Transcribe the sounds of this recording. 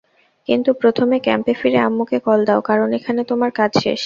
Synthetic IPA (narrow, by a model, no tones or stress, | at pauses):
kint̪upɾot̪ʰomekɛmpefiɾeamːukʰekɔld̪aokaɾonekʰanet̪omaɾkad͡ʑʃḛʃ